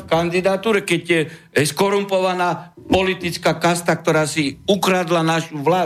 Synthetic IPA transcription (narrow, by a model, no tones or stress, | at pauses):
kand̪id̪at̪uːɾɛkɛɟɛ | skɔɾumpɔʋanaːpɔlit̪it͡skaːkast̪ak̚t̪ɔɾaːsiukɾad̪lanaʃuʋlaː